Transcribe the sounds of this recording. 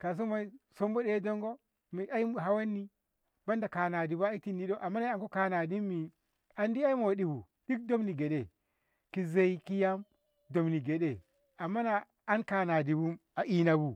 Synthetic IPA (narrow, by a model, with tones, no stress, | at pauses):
ka˨s̬o˦ma˦n˦so˦mbo˦ɗe˦do˦ŋɡo˦ | mi˨ʔa˦i˦m˨ɦa˦wa˦nːi˦ | ba˦nda˨ka˨na˨di˨ba˦i˦ti˦ndi˦ɗo˦ʔa˨mːa˦n˦a˨ŋko˦ka˦na˨di˦mːi˨ | a˨ndi˦a˦i˦mo˨di˨bu˨ | di˦k̚do˦mni˨ɡe˨ɗe˨ | ki˨ze˦i˦ki˦ja˦m | do˨mni˨ɡe˨ɗe˨ | a˨mːa˦naː˨˦ | nka˨na˨di˨bu˦m | a˨ʔi˦na˨bu˨